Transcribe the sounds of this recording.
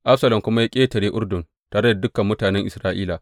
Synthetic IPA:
ʔa˦ɸsɐ˦lɐ˨mkʷʊ˦ma˦ja˦kʲʼeː˦tɐ˨ɽeː˦ʔʊ˦rdʊ˨n | taː˨ɽɐ˦da˨dʊ˦kɐ˨mːʊ˦taː˨nɛ˦ŋʔɪ˨sɾaː˦ʔiː˦la˨

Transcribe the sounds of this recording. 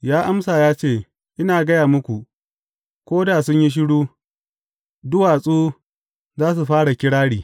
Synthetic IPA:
jaː˦ʔa˦msaː˨jaː˦t͡ʃeː˦˨ | ʔɪ˦naː˨ɡɐ˦jaː˨mʊ˦kʷu˨ | kʷoː˦daː˨sʊ˦ɲji˦ʃ̬ɪ˦ɽuː˦ | dʊ˦waː˨sʼuː˦ | zaː˦s̬u˨ɸaː˦ɽa˨kʲɪ˦ɽaː˦ɽiː˨

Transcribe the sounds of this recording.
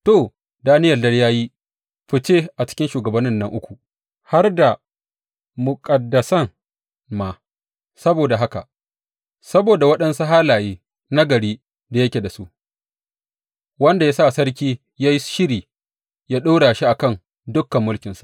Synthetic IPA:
to˨ | daː˦nɪ˦jɐ˨dɐ˦ljaː˦ji˦ | ɸɪ˦t͡ʃeː˦ʔa˨t͡ʃɪ̥˦kʲɪ˦nʃuː˨ɡɐ˨bɐ˦nːɪ˦nːɐ˦ŋʔʊ˦kʷu˨ | ha˦rda˨ | mʊ˨kʼɐ˨dːɐ˨sɐ˦ŋ | ma˨ | sɐ˦boː˨da˨ɦa˦ka̰˨ʔ | sɐ˦boː˨da˨wɐ˦ɗɐ˦nsu˦ɦaː˦laː˨jeː˦ | na˦ɡɐ˨ɽiː˦ | da˨jɐ˦kʲeː˨da˨su˦ʔ | wɐ˦nda˨ja˦sa˦ʔsɐ˦ɾkʲiː˦ | jaː˦ji˦ʃɪ˦ɽiː˨ | jaː˦ɗoː˦ɽaː˨ʃi˦ʔa˨kɐ˦˨n | dʊ˦kːɐ˨mːʊ˦lkʲɪ˨nsḁ˦ʔ

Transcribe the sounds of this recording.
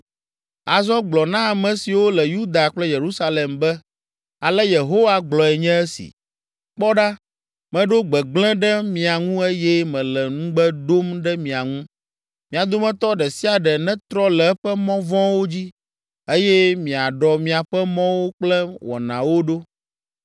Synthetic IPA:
a˨zɔ̃˦ɡ͡blɔ˨nã˦a˨mɛ̃˨si˨wo˦lɛ˨ju˦d̪a˨k͡plɛ˦je˨ɾu˦sa˦le˨mbɛ˦ | a˨lɛ˦je˨ɦo˦wa˦ɡ͡blɔ˨ɛ˨ɲɛ̃˦ɛ˦sḭ˨ | k͡pɔ˦ɖa˦ | mɛ̃˨ɖo˦ɡ͡bɛ˨ɡ͡blɛ̃˦ɖɛ˦mĩ˨a˨ŋũ˦e˦jɛ˦mɛ̃˨lɛ˨ŋũ˦ɡ͡bɛ˦d̪o˦mɖɛ˦mĩ˨a˨ŋũ˦ | mĩ˨a˨d̪o˦mɛ̃˦t̪ɔ˦ɖɛ˨si˦a˨ɖɛ˨nɛ̃˦t̪ɾɔ˦lɛ˨˦ɸɛ˦mɔ̃˦vɔ̃˦wo˦d͡ʑi˦ | e˦jɛ˦mĩ˨a˨ɖɔ˨mĩ˨a˨ɸɛ˦mɔ̃˦wo˦k͡plɛ˦wɔ̰˨nã˨wo˦ɖo˦

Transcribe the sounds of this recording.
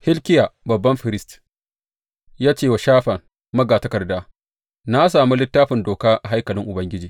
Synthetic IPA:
hɪ˦lkʲɪ˦ja˨bɐ˨bːɐ˦mɸɪ˨ɾɪ˦st | jaː˦t͡ʃeː˦˨wa˨ʃaː˦ɸɐ˨ŋ | mɐ˦ɡaː˨tɐ˦kɐ˨rdaː˦ | na˦s̬aː˨mu˦lɪ˦tːaː˦ɸɪ˨ndoː˨kaː˦ʔa˨ɦa˦jkɐ˨lɪ˦ŋʔʊ˨bɐ˦ŋɡʲɪ˦d͡ʒiː˨

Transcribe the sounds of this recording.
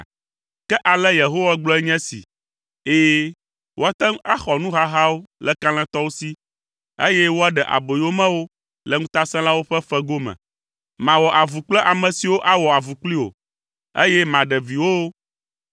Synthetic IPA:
kɛ˦ʔa˨lɛ˦je˨ɦo˦wa˦ɡ͡blɔ˦ɛ˦ɲɛ̃˦sḭ˨ | eː˦ | wʔo˦a˦t̪ɛ˦ŋ˦a˦xɔ˨nũ˦ɦa˦ɦa˦wo˦lɛ˦kã˦l̃ɛ̃˦t̪ɔ˦wo˦si˦ | e˦jɛ˦wo˦a˦ɖɛ˨ʔa̰˨bo˨jo˦mɛ̃˦wo˦ | lɛ˨ŋũ˦t̪a˦sɛ̃˦la˦wo˦ɸɛ˦fɛ˦ɡo˦mɛ̰̃˨ | mã˨wɔ˨ʔa˨vu˨k͡plɛ˦ʔa˨mɛ̃˨si˨wo˦ʔa˦wɔ˨a˨vu˨k͡pli˦wo̰˨ | ḛ˦jɛ˦mã˨ɖɛ˨vi˨wo˦

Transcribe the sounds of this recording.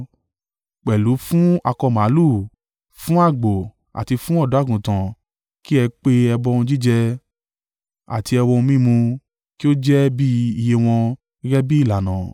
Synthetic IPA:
k͡pɛ˨lu˨˦fũ˦a˧kɔ˧ma˨˦lu˦˨ | fũ˦a˦˨ɡ͡bo˨ | a̰˨ti˧fũ˦ɔ˦˨do˨˦a˦˨ɡũ˨tã˨ | ki˦ɛ˧k͡pe˧ɛ˧bɔ˧˦ũ˧d͡ʒi˦d͡ʒɛ˧ | a̰˨ti˧ɛ˧wɔ˧ũ˧mĩ˦mũ˧ | ki˦o˦d͡ʒɛ˦bi˦i˧je˧w̃ɔ̃˧˦ | ɾɛ˦bi˦i˦˨la˨nã˨

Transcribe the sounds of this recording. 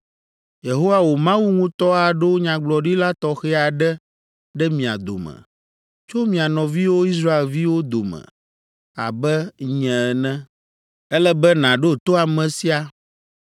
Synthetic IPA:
je˨ɦo˦wa˨wo˨mã˦wu˦ŋũ˦t̪ɔ˦a˨ɖɛ˦wo˦ɲã˨ɡ͡blɔ˨ɖi˦la˦t̪ɔ˦xɛ˦a˨ɖɛ˦ | ɖɛ˦mĩ˨a̰˨d̪o̰˨mɛ̰̃˨ | t͡ʃo˦mĩ˨a˨nɔ̃˨vi˦wo˦i˦s̬ɾa˦e˨lvi˦wo˦d̪o˨mɛ̰̃˨ | a̰˨bɛ˦ɲɛ̃˨ɛ˨nɛ̃˦ | ɛ˦lɛ˦bɛ˦nã˨ɖo˦t̪o˦a˨mɛ̃˨si˦a˦

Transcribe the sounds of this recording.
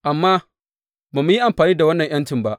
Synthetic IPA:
ʔa˨mːaː˦ | baː˨mu˦ji˦ʔa˨mɸaː˨niː˦da˨wɐ˦nːɐ˨ɲj̰ɐ˦ntɪ˨mba˦ʔ

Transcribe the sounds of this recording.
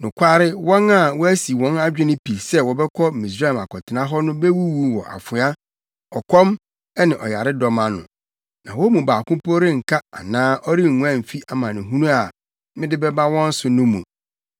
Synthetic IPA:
nʊ̃˨kʷʰa˦ɾɪ˦wɔ̃˦na˦˨wɔ˦æ˦si˨wɔ̃˦na˦d͡ʑᶣɪ˦nɪ̃˦pʰi˨sɛ˦wɔ˨bɛ˦kʰɔ˦mĩ˨s̬ɾa˦lma˨kɔ˨tʰɪ˨nã˦ɦɔ˦nʊ̃˦be˦wu˦wu˦wɔ̰˨ʔa̰˨fʊ˨a˦ | ɔ˨kʰɔ˦m | ɛ˦nɪ̃˨ʔɔ˨ja˨ɾɪ˦dɔ˨mã˨nʊ̰̃˨ | nã˨wɔ˦mũ˨baː˨kʊ̃˦po˦ɾɪ̃˦ŋ̩˨kʰa˦a̰˨nãː˦ʔɔ˦ɾi˦ŋ̩˨ŋũ˦ã˦˨m̩˨fi˦ʔa˨mã˨nɪ̃˨ɦũ˦nũ˦a˨ | mɪ̃˦dɪ˦bɛ˦ba˦wɔ̃˦n̩˦sʊ˨nʊ̃˦mṵ̃˨

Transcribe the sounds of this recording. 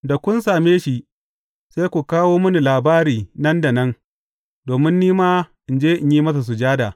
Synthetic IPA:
da˨kʷʊ˦nsaː˨meː˦ʃi˨ʔ | sa˦jkʷu˨kaː˦woː˦mʊ˦ni˨laː˨baː˦ɾiː˨nɐ˦nda˨nɐ˦n | doː˨mɪ˦nːiː˦maː˦ʔɪ˨nd͡ʒeː˦ʔɪ˨ɲjiː˦mɐ˦s̬a˨s̬u˨d͡ʒaː˦daː˨

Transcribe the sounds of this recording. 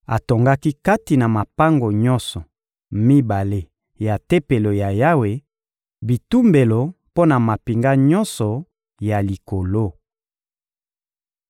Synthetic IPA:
a˨to˨ŋɡa˦ki˦ka˦ti˨na˨ma˨pa˦ŋɡo˨ɲɔ˦nsɔ˨ | mi˦ba˨le˦ | ja˨te˦pe˨lo˨ja˨ja˦we˨ | bi˨tu˦mbe˨lo˨ | po˦na˨ma˨pi˨ŋɡa˦ɲɔ˦nsɔ˨ | ja˨li˨ko˨lo˦

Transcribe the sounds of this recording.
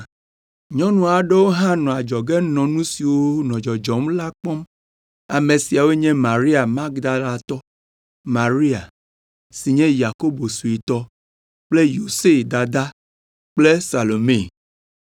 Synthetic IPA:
ɲɔ̃˦nũ˦a˨ɖe˦wo˦ɦã˦nɔ̃˨a˨d͡ʒɔ˨ɡɛ˦nɔ̃˨nũ˦si˨wo˦nɔ̃˨d͡ʒɔ˨d͡ʒɔ˨mla˦k͡pɔ˦m | a˨mẽ˨si˨a˨we˦ɲɛ̃˦ma˨ɾi˦a˨ma˦ɡd̪a˦la˨t̪ɔ˦ | ma˨ɾi˦a˨ | si˨ɲɛ̃˦ja˨ko˦bo˨su˨i˨t̪ɔ˦ | k͡ple˦jo˨se˦˨d̪a˨d̪a˦ | k͡ple˦sa˨lo˨me˦˨

